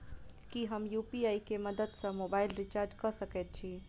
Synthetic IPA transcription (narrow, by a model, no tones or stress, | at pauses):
kiɦəmjuːpiaːikemɐd̪əd̪sɐ̃moːbaːɪlɾɪt͡ʃaːɾd͡ʒkɐɾsəkeːt̪̚t͡ʃʰi